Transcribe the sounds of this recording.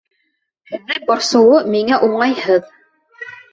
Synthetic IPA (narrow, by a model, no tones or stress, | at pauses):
hɘ̆ðːɘŋbɑɾsɤ̆wɤmiŋæʔuɴɑjhɤð